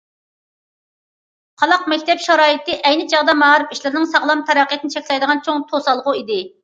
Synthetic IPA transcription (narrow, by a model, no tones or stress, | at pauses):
qʰɑlˠɑqmɛkʲt̪ʰɛpʃɑɾɑːit̪ɪʔɛjnɪt͡ʃʰɑʁd̪ɑmɑʁɾɪpiʃlɪɾnɪŋsɑʁlˠɑmt̪ʰɛɾɑqʰijt̪ɪnɪt͡ʃʰɛkʲlɛjd̪əʁɑnt͡ʃʰoŋt̪ʰosɑlˠʁʊid̪ɪ